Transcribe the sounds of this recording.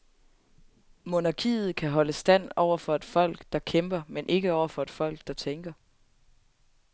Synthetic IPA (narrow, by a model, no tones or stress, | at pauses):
mo̝nɑ̈kʰḭːð̞̩ˠkʰæɦɒ̽ləsd̥æn̰ɒʊ̰ɐfɒ̽e̝d̥fɒ̽l̰ɡ̥d̥ɑ̈kʰemb̥ɐmenʔe̝ɡ̥əɒʊ̰ɐfɒ̽e̝d̥fɒ̽l̰ɡ̥̚d̥ɑ̈t͡sʰeŋɡ̥ɐ